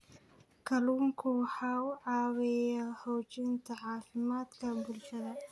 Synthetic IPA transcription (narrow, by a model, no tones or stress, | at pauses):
kʰɐluːŋkʰʊwħaːʊʕɑːwɛjɐhɔwt͡ʃɪnt̪ʰɐʕɑːfɪmaːd̪kʰɐbʊlʃɐðɐ